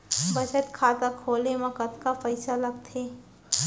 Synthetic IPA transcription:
bɐt͡ʃət̪kʰaːt̪akʰoːlemɐkət̪kapəɪsalɐɡt̪ʰeː

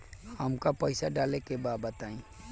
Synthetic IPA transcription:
həmkapəɪsaɖaːlekebaːbət̪aːĩː

